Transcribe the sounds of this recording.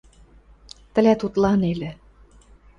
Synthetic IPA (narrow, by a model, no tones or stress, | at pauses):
t̪ɘ̆læt̪ut̪lɑnelĕ